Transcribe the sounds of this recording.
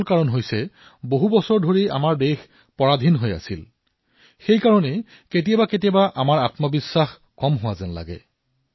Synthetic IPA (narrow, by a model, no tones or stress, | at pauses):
lkaɹɔnɦojsɛ | boɦubɔsɔɹdʱoɹia̰maɹdex | pɔɹadʱinɦoja̰sil | xejkaɹɔnɛ | ket̬ijabaket̬ijabaʔamaɹatmɔbisːax | kɔmɦʊwazɛnla̰ɡɛ̰